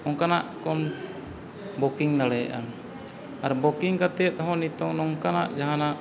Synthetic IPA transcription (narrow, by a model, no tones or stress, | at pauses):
ɔŋkanaʔkɔn | bɔkiŋd̪aɽɛ̰ʔa̰ | aɾbɔkiŋkat̪ɛt̪̚ɔɦɔ̃nit̪ɔŋnɔŋkanaʔd͡ʒaɦanaʔ